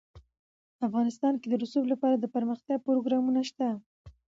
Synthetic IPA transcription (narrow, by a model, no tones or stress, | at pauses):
afɣɑnɪst̪ɑnked̪əɾusublapɑɾad̪əpəɾməxt̪jɑpɾoɡɾɑmunaʃt̪a